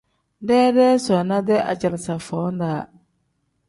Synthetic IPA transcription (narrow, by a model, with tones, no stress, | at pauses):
dɛː˦dɛː˦sɔ˨na˦dɛ˦a̰˨d͡ʒa˨lɪ˨sa˨fɔː˨˦n˦daː˨